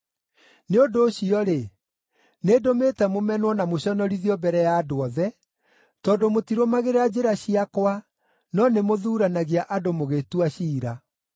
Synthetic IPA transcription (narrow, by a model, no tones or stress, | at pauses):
neondoːɕiɔɾe | nedometɛmomɛnwɔnamoɕɔnɔɾiðiɔbɛɾɛjaːdoɔðɛ | tɔːdomotiɾomaɣeɾad͡ʑeɾaɕiakwa | nɔnemoðuːɾanaɣiaʔadomoɣetuaɕiːɾa